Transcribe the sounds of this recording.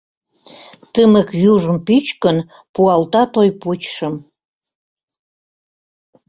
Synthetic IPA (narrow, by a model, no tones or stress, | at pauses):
t̪əməkjuʒəmpyt͡ɕkən | puɑlt̪ɑt̪ojput͡ɕʃəm